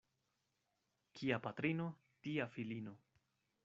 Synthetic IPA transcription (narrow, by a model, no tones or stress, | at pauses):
kʰiapat̪ɾino | tiafilino̞